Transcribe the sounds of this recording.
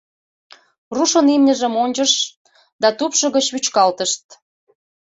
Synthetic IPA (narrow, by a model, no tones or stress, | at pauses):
ruʃonemnʲə̆ʒə̆monʲt͡ɕəʃ | d̪ɑt̪upʃɤ̆ɣə̆t͡ɕβyt͡ɕkɑlt̪əʃt̪̚